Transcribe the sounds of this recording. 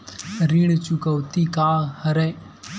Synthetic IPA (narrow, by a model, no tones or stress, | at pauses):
ɾiɳ̃t͡ʃukəwt̪ikaːhəɾɛ̃